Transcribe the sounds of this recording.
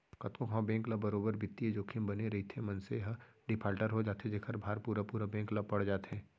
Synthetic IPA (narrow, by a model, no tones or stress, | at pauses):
kɐt̪kõkʰãːbɛ̃ːŋklabɐɾoːbəɾbɪt̪ːied͡ʒoːkʰɪmbɐneɾɐɦit̪ʰemɐ̃nseɦəɖɪpʰaːlʈəɾɦod͡ʒaːt̪ed͡ʒeːkʰəɾbʱaːɾpuːɾapuːɾabɛ̃ːŋklabpɐɽ̤d͡ʒaːt̪ɦɛ̃ː